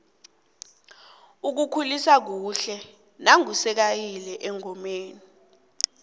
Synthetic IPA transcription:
uk̬ukʰulisak̬uːɬɛ | naŋusɛk̬ajilɛʔɛŋɔmeːni

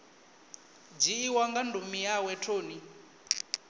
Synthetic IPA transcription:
d͡ʒiːwaŋɡandʱumijawɛtʰoːni

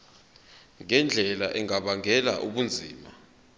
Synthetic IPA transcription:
ŋɛnd͡ɮʱɛlaʔɛŋaɓaŋɛla̰ʔuɓund͡zʱḭːma

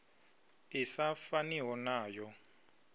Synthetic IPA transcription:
isafaniɦɔnaːjɔ

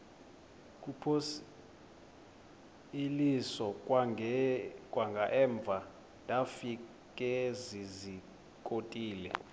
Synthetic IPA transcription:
k̬ʼupʰos | ilisɔ | kʼwaŋɡʱaʔɛːɱb̪vʱa | ndʼʱafi | kʼɛzizi | kʼotʼiːlɛ̰

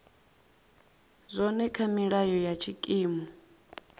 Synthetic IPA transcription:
zʷɔnɛkʰamiɺajɔjat͡ʃʰikʼiːmɔ

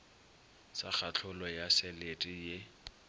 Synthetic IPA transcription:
sak͡xʰat͡ɬʰʊlɔjasɛletʼije

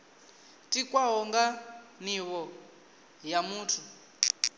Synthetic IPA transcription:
tʼikwaɦɔŋɡaniβɔ | jamuːtʰu

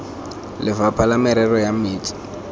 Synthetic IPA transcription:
lɪvapʰalamɛɾɛrɔjamiːtʼi̥

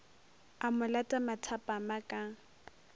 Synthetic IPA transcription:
amʊlatʼamatʰapʼamakʼa

